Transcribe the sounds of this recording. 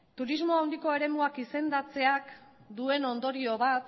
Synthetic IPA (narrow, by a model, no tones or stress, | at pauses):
t̪uɾizmo̞awnd̪iko̞e̞ɾe̞muakise̞nd̪at͡se̞ak | d̪ue̞no̞nd̪o̞ɾio̞βat̪